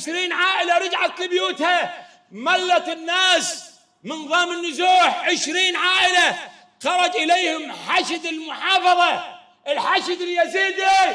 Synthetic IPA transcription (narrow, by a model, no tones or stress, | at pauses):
ɪʃɾiːnʕaːʔɪlaɾɪd͡ʒʕaɪbjuːt̪ha | malːat̪ɪnːaːs | mɪnðˤɑːmɪnːʊzuːħʕɪʃɾiːnʕaːʔɪla | xɑɾˤɑd͡ʒʔɪlejhɪmħaʃɪd̪ɪlmʊħɑːfɑðˤɑ | ʔɪlħaʃɪd̪ɪljaziːd̪a